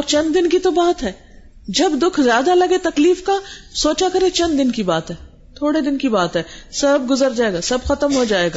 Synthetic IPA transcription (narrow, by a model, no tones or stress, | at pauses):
ɔːɾt͡ʃɐ̃nd̪d̪ɪnkit̪obaːt̪ɦɛː | d͡ʒɐbd̪ʊkʰzjaːd̪alɐɡet̪ɐkliːfkasoːt͡ʃakɐɾet͡ʃɐ̃nd̪d̪ɪnkibaːt̪ɦɛː | t̪ʰoːɽed̪ɪnkibaːt̪ɦɛːsɐbɡʊzəɾd͡ʒaːeːɡaːsɐbxɐt̪əmɦod͡ʒaːeːɡaː